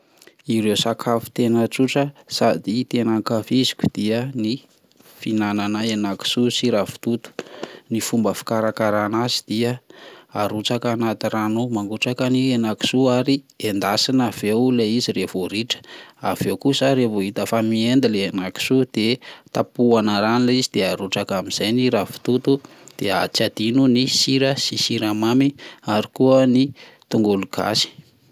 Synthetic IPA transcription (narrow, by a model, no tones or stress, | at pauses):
iɾewsakʰafu̥t̪enət͡suʈ͡ʂəsad̪it̪enakafizi̥kʲu̥d̪̥iəni | finananəenaki̥susiɾafi̥t̪ut̪u̥nifumbəfi̥kaɾakaɾanazid̪̥iəaɾut͡sakanat̪iranomaŋɡuʈ͡ʂakanienaki̥suaɾi | end̪asinav̥ewleizirevoɾiʈ͡ʂə̥avewkusəɾevoɦit̪əfamiend̪ileenaki̥sud̪̥et̪apuanəɾanlizid̪̥eaɾuʈ͡ʂakamiz̥ajniɾafi̥t̪ut̪u | d̪̥ea̰t͡sad̪̥inunisiɾəsisiɾamamiaɾikuəni | t̪uŋɡuluɡ̥a̰si̥